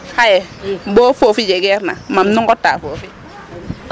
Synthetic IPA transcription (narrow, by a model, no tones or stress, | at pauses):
hajɛboːfofid͡ʒɛɡɛɾna̰mamnɔŋɡɔtaːfofi